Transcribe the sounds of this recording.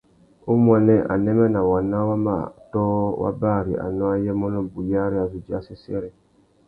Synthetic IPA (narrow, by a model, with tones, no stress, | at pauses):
u˦m˦ɔ˨nɛ˦ʔa̰˨nɛ˦mɛ˦na˨wa˨nːa˦wa˦ma̰˦˨tɔː˦wʔa̰˦baː˦˨ɾi˨ʔa̰˨nɔ̃˦a˦jɛ˦mɔ˦nɔ˦bu˨li˦a˦ɾi˦a˨zu˨d͡ʒi˦a˦si˦sɛ˦ɾɛ˦